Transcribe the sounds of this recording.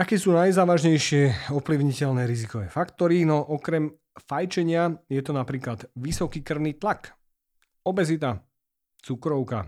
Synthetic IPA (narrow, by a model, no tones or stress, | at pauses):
akɛːsuːnajzaːʋaʒɲɛjʃɪɛɔpliʊɲicɛlnɛːɾizikɔʋɛːfakt̪ɔɾinɔʔɔkɾɛm | fajt͡ʃɛɲɪajɛt̪ɔnapɾiːklad̪ʋisɔkiːkr̩ʊniːt̪lak | ɔbɛzit̪a | t͡sukɾɔʊka̰